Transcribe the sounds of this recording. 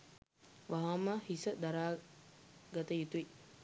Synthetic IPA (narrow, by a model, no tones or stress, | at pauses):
ʋaɦaməhisəd̪aɾaː | ɡat̪əjut̪uʋi